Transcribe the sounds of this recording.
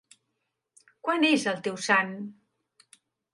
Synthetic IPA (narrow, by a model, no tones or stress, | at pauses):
kwanezəlˠt̪ewsan